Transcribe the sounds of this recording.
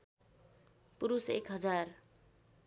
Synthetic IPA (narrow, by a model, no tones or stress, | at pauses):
puɾusekɦʌd͡zar